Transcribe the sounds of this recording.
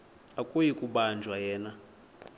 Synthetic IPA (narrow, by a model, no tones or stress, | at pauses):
akʼojikʼuɓand͡ʒʱwajɛːna